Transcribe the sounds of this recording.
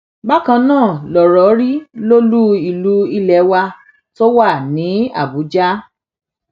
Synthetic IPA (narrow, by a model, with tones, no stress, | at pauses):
ba˦kã˧nãː˦˨lɔ˨ɾɔ˨˦ɾi˦lo˦lu˦i˧˨lu˨˦i˧lɛ˨˦wa˧ | to˦wa˦˨nĩ˨˦a̰˦˨bu˨˦d͡ʒa˦